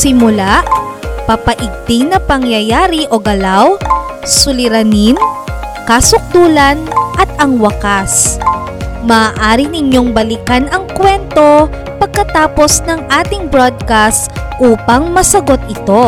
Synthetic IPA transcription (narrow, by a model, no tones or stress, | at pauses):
sɪmʊlaʔpɐpɐʔɪɡ̚t̪ɪŋnɐpɐŋjɐjaːɾiʔo̞ɡɐlaw | sʊlɪɾɐnin | kasʊk̚d̪uːlɐnʔɐt̪ʔɐŋwɐkas | mɐːʔaːɾinɪɲo̞ŋbɐlɪkanɐŋkwɛnt̪o̞ | pɐɡ̚kɐt̪aːpo̞snɐŋʔaːt̪ɪŋbɾod̪̚kast̪ʔuːpɐŋmɐsɐɡo̞t̪̚ʔɪt̪o̞